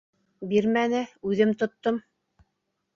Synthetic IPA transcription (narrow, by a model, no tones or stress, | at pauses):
biɾmænɘʉðɘmt̪ŏt̪ːom